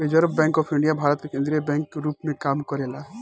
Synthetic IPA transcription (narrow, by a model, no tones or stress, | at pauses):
ed͡ʒəɾəbːɛ̃ːŋkɔːpʰɪɳɖijabʱaːɾət̪kekẽnd̪ɾijebɛ̃ːŋkːeɾuːpmẽkaːmkəɾela